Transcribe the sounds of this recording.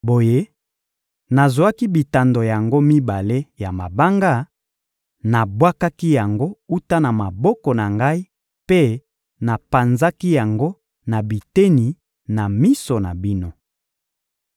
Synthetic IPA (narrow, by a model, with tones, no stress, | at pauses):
bo˨je˦ | na˨zu˨a˦ki˦bi˨ta˨ndo˨ja˨ŋɡo˦mi˦ba˨le˦ja˨ma˨ba˦ŋɡa˦ | na˨bwa˦ka˦ki˦ja˨ŋɡo˦u˦ta˦na˨ma˨bɔ˦kɔ˨na˨ŋɡa˦i˦ | pe˦ | na˨pa˨nza˦ki˦ja˨ŋɡo˦ | na˨bi˨te˦ni˨ | na˨mi˦so˨na˨bi˦no˦